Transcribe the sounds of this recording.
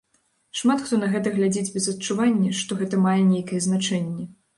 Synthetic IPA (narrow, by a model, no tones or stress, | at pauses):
ʂmat̪xt̪ɔnɐɣɛt̪ɐɣlʲad͡zʲed͡zʲbʲɛzɐt̪̚t͡ʂuvanʲːɐʂt̪ɔɣɛt̪ɐmajɛnʲejkɐjɛznat͡ʂɛnʲːɛ